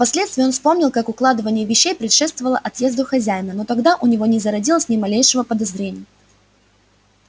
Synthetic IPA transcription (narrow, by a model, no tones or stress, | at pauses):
pɐsʲlʲet̪st̪ʲɪːonfspo̞mnʲɪlˠkakʊklˠad̪ɨvənʲɪjəvʲɪɕːejpɾʲɪtʂɛt̪st̪vəvəlˠəʔɐt̪je̞zd̪ʊxɐzʲæjɪnəno̞t̪ɐɡd̪aʔʊnʲɪvo̞nʲɪzəɾɐdʲilˠəsʲnʲɪmɐlʲejʂɨvəpəd̪ɐzɾʲenʲɪjə